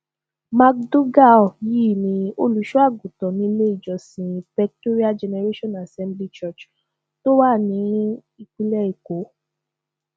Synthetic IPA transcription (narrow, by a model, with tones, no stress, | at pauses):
ma˧k̚do˦ɡa˦˨ji˦˨nĩ˧˦o˧lu˨˦ʃu˦a˦˨ɡũ˨tɔ˨nĩ˧˦le˦i˦˨d͡ʒɔ˨sĩ˨pɛ˧k̚to˦ɾi˦a˦d͡ʒɛ˧nɛ˧ɾe˦ʃɔ̃˦na˨sɛ̃˦mbli˦t͡ʃɔ˦˨t͡ʃ | to˦wa˦˨nĩ˨˦ɾ | i˧k͡pi˦lɛ˦i˨ko˨˦